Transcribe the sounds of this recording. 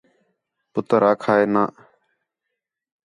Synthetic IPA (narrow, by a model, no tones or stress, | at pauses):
pʊt̪əɾaːkʰaːeːnaː